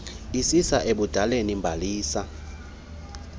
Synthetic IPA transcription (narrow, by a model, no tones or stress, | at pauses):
isisaʔeɓud̥ʱalenimbʱaliːsa